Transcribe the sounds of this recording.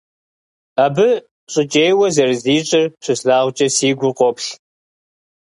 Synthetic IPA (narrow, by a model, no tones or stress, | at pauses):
aːbɨ | ɕʼɪt͡ʃʼeːjwɐzɐrɨziːɕʼɪrɕɨsɮaːʁʷt͡ʃʼɐsiːɡʷʊqʷɔpɬ